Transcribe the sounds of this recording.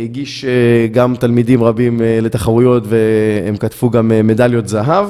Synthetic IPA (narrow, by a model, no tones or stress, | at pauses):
hiɡiʃeɡamt̪almid̪imʁabimle̞t̪aχaʁujo̞t̪veemkat̪fuɡamːe̞daljo̞t̪zaɦav